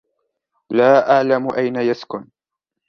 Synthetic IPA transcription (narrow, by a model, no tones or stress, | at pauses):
laːʔaʕlamʊʔajnajaskʊn